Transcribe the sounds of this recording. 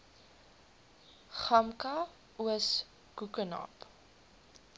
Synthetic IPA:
χɐmkɐ | uəs | kukənɐ̰p

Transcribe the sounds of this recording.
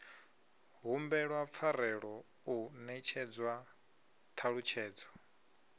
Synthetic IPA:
ɦumbɛɺwap̪fʰaɾɛɺɔ | unɛt͡ʃʰɛd͡zwa | t̪ʰaɺut͡ʃʰɛːd͡zɔ

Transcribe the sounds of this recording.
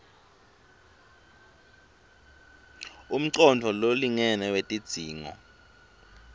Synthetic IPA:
um̩ǀɔndʰʱɔloliŋɛnɛwetʼid̥z̥ʱiːŋɔ̰

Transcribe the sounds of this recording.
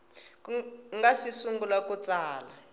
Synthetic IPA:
ŋɡasisuŋɡulakut͡sʼaːla

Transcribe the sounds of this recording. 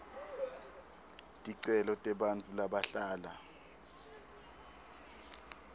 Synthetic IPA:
tʼiǀɛlɔtʼɛɓant͡fʰulaɓaɬaːla

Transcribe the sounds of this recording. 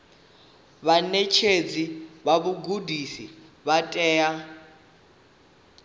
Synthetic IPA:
βanet͡ʃʰed͡ziβaβuɡudʱisiβatʼɛːja

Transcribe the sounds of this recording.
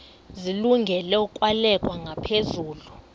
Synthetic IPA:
ziluŋɡʱɛlɛukʼwalɛkʼwaŋʱapʰezuːlu

